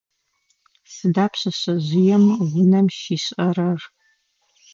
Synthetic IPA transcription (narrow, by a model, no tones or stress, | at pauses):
sɨdaːpʰɕʼɐɕʼɐʑɪjɛmʁʷʊnɐmʃiːɕʼɐrɐr